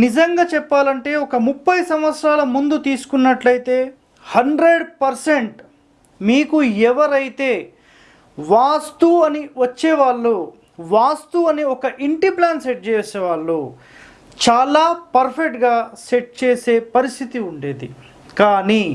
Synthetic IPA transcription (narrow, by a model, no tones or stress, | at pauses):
nid͡ʒɐŋɡaːt͡ʃɛpːaːlɐɳʈe̞ːɔkɐmupːɐjsɐmʋɐt̪sɾaːlɐmund̪ut̪iːsu̥kunːɐʈlɐjit̪e̞ː | hɐɳɖɾe̞ɖpɐɾseɳʈ | miːkuɛʋɐɾɐjit̪e̞ː | ʋaːst̪uɐniʋɐt͡ʃːɛːʋaːɭːuː | ʋaːst̪uɐniɔkɐʔiɳʈiplaːnseʈ̚t͡ʃeːseːʋaːɭːu | t͡ʃaːlaːpɐɾpʰek̚ʈɡaːseʈ̚t͡ʃeːse̞ːpɐɾist̪ʰit̪iuɳɖeːd̪i | kaːniː